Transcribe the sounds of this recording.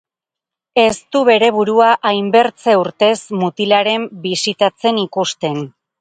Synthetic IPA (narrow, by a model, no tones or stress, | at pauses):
e̞st̪uβe̞ɾe̞β̞uɾuaʔajmbe̞ɾt͡se̞uɾt̪e̞smut̪ilaɾe̞mbisit̪at͡se̞nikust̪e̞n